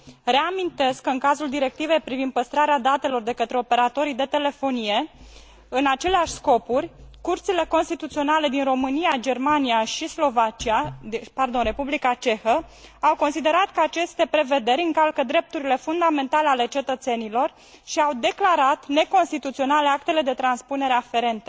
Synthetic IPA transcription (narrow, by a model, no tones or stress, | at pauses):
re̞amint̪e̞skːəɨŋkazuld̪iɾe̞k̚t̪ive̞jpɾivind̪̚pəst̪ɾaɾead̪at̪e̞lo̞rd̪e̞kət̪ɾe̞o̞pe̞ɾat̪o̞ɾid̪e̞t̪e̞le̞fo̞nije̞ | ɨnat͡ʃe̞leaʃʲsko̞purʲkurt̪sile̞ko̞nst̪it̪ut̪sio̞nale̞d̪inro̞mɨnijad͡ʒe̞rmaniaʃislo̞vat͡ʃiaipard̪o̞nre̞publikat͡ʃe̞xə | awko̞nsid̪e̞ɾat̪kəat͡ʃe̞st̪e̞pɾe̞ve̞d̪e̞ɾʲɨŋkalkəd̪ɾe̞p̚t̪uɾile̞fund̪ame̞nt̪aleale̞t͡ʃe̞t̪ət̪se̞nilo̞r | ʃiawd̪e̞klaɾat̪ne̞ko̞nst̪it̪ut̪sio̞naleak̚t̪e̞le̞d̪e̞t̪ɾanspune̞ɾeafe̞ɾe̞nt̪ə